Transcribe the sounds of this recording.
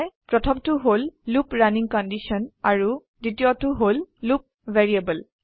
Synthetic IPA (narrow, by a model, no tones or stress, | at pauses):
jpɹɔtʰɔmtuɦolːupɹaniŋkɔndisɔnaɹu | ditiotʊɦolːup̚veɹiabəl